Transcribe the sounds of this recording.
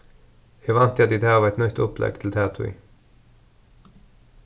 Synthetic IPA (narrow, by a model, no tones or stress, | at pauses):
heːʋɑnt̪jɛt̪iːd̪æːɑʋɛt̪nœt̪ɔplɛ̰ɡt̪ʰl̩t̪ʰæːt̪ʰʊɪ̰